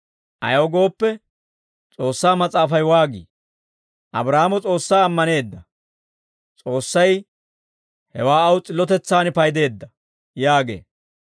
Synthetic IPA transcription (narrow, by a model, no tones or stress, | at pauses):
ʔɐ̰jɐwɡo̞ːpːɛ | t͡sʼo̞ːsːaːmɐt͡sʼaːfɐjwaːɡḭː | ʔɐ̰bɾaːmɔt͡sʼo̞ːsːaːɐmːɐne̞ːd̪ːɐ | t͡sʼo̞ːsːɐj | hɛwaːɐwt͡sʼɪlːɔt̪ɛt͡sːaːnɪpɐjd̪e̞ːd̪ːɐ | jaːɡe̞̰ː